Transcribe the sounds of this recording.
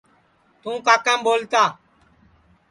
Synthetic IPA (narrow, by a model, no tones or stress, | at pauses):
t̪ũːkaːkãːmboːlt̪aː